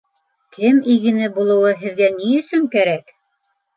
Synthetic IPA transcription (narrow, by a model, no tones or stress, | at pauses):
kʰɘmiɣɘ̆nɘbulˠɤ̆wɤɦɘ̆ðɡæniɵ̆sɵŋkæɾæk